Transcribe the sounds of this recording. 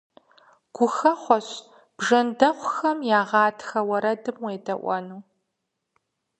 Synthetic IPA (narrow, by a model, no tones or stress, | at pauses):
ɡ̥ʷʊxɐχʷɔɕ | b̥ʐɐndɐχʷʊxɐmjaːʁɑːtʰxɐwɐɾɐdɨmweːdɐʔʷɔ̰nuː